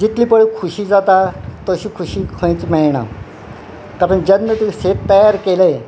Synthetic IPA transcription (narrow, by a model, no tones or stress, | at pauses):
d͡ʑit̪ʰliːpəɭikʰuɕiːd͡zat̪at̪əɕiːkʰuɕiːkʰə̃jt͡smeɭɳ̃a̰ | k̪aɾəɳd͡ʑənːət̪iset̪ːəjaɾkele